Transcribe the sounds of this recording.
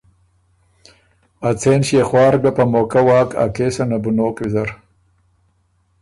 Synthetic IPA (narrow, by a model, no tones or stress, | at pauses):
at͡seːnɕjexwɑːɾɡapamoːkawɑːka̰keːsanabunoːkwizɐɾ